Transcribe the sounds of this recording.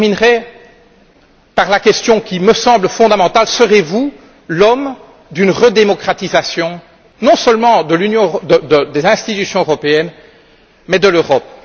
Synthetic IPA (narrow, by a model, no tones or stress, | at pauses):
minʁe | paʁlakʲɛst̪jɔ̃kʲiməsɑ̃bləfɔ̃d̪amɑ̃t̪alsəʁevu | lɔm | d̪ynʁəd̪emɔkχat̪izasjɔ̃ | nɔ̃səlmɑ̃d̪əlynjɔ̃d̪əd̪əd̪ezɛ̃st̪it̪ysjɔ̃øʁɔpeɛn | mɛd̪əløʁɔp